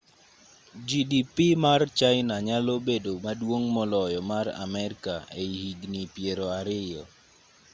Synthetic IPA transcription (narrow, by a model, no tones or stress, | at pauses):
d͡ʒidipimart͡ʃajɪnaɲalobedomadwoŋmɔlɔjɔmara̰mɛɾkaeihiɡnipjeɾoaɾɪjɔ